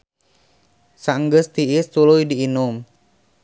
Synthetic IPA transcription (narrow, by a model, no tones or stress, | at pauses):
saŋɡəst̪iɪst̪ulujdiːnʊm